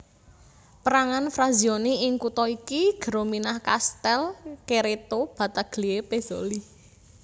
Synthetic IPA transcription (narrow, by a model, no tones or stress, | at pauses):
pəɾaŋanfɾazioniɪŋkut̪ɔikiɡ̥ə̤ɾominahkast̪ɛlkeɾet̪ob̥a̤t̪aɡ̥liepez̥oli